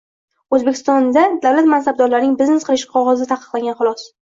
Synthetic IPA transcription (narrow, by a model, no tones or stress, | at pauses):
ɵzbekʰʲɪ̥st̪ɒnd̪ad̪awlat̪mansab̚d̪ɒɾlaɾnɪŋbɪzne̞sqʰɨlˠɪʃɪ̥qʰɒʁɒzɪt̪ʰaqɨ̥qlˠaŋʲanχʊlˠɒs